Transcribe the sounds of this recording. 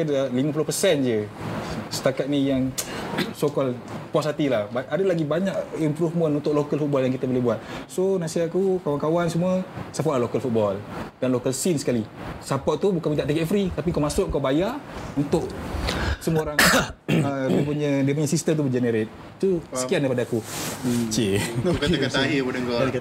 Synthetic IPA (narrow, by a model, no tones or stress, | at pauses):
dliməpulohpəsɛnd͡ʒə | sə̥t̪akat̪̚nijaŋ | sokɔlpɔsat̪ilahbaʔadalaɡibaɲakimpɾufmənlut̪oʔlokəlfut̪̚bɔljaŋkit̪əbolehbuat̪̚sonasiaʔkukawankawansəmuəsapaʔlahlokəlfut̪̚bɔld̥anlokəlsinsə̥kalisapaʔt̪ubukanmint̪aʔt̪ɛkɛɛfɾit̪apikawmasʊk̚ŋkawbajaunt̪ʊʔ | səmuəoɾaŋədiəpuɲədiəpuɲəsist̪əmt̪̬ubəd͡ʒɛnəɾet̪̚ | t̪usəkiandajpadaːku | t͡ʃekakaaɦibunəŋkɔa